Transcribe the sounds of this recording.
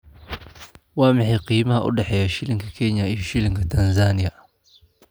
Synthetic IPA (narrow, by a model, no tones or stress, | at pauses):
wamiħiqimaʔṵɗaħɛjaʃiliŋɡikʰɛɲaiuʃiliŋɡitanzanija